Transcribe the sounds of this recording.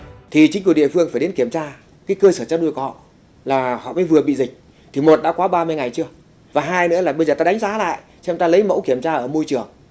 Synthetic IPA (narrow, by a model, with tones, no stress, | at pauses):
t̪ʰi˨˩t͡ɕi˨˦ŋ̟ku˧˩ɗḭ˧˨əfɨ˧əŋfaː˧˩jɗe˨˦nki˧˩əmt͡ɕaː˧ | kaː˨˦jkəː˧səː˧˩t͡ɕaː˧ɗu˧jkɔ̰˧˨ | laː˨˩hɔ̰˧˨mə̰ː˧˥jvɨ˨˩əɓḭ˧˨zï˨˩k̟̚ | t̪ʰi˨˩mo˨˩t̚ɗa̰ː˧˥kwaː˨˦ɓaː˧mɨ˧əjŋa˨˩jt͡ɕɨ˧ə | vaː˨˩ɦaː˧jnɨ̰˧˥əlaː˨˩ɓə˧jzəː˨˩t̪aː˧ɗjŋ̟zaː˨˦la̰ː˧˨jt͡ɕɛ˧nt̪aː˧lə˨˦jmə̰˧˥wki˧˩əmt͡ɕaː˧ʔəː˧˩mo˧jt͡ɕɨ˨˩əŋ